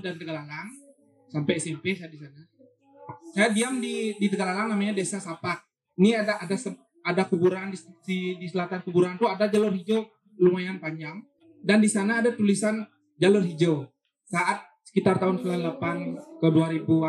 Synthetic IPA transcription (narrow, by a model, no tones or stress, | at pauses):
dant̪əɡalalaŋ | sampɛjsimpesajadisana | sajadiamdidit̪əɡalalaŋnamaɲadesasapak̚ | iniadaʔːdasə | adakubuɾandist̪iksidisəlat̪ankubuɾant̪uadad͡ʒalʊrhid͡ʒo | lumajanpaɲd͡ʒaŋ | dandisanaːdat̪ulisan | d͡ʒalʊrɦid͡ʒo | saʔat̪̚sə̥kit̪art̪aʊnkəlalapankəduaɾibu